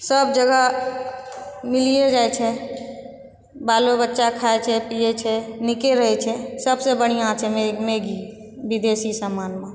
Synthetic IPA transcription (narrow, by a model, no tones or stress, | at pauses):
səbd͡ʒəɡa | milijed͡ʒaet͡ʃʰɛ | balobətːʃakʰaet͡ʃʰɛpijet͡ʃʰɛnikeɾəɦɛt͡ʃʰɛsəbsebəɽ̤̃ijãt͡ʃʰɛmemeɡi | bid̪esisəmaːnmẽ